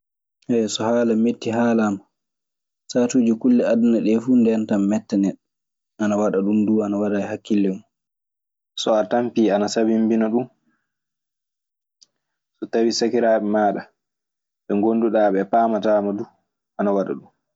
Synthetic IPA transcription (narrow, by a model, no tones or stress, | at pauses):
ʔɛsɔhaːlametːiɦaːlama | saːtuːd͡ʒikulːɛadunaɗɛfuːndɛantamːɛtːanɛɗɔ | ʔanawaɗaɗunduːanawadajhakːilːɛmu | sɔatampiːanasabimbinaɗum | sɔtawisakiɾaːɓɛmaːɗa | ɓɛŋɡonduɗaːɓɛpaːmataːmaduː | ʔanawaɗa̰ɗum